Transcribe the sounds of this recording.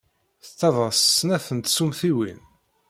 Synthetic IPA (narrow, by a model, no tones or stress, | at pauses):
θət͡s̪ːɑðˤəssnæθənt̪sumθiwḭn